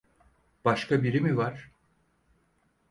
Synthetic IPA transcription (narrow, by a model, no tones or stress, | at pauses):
b̥aʃkabiɾimivaɾ̥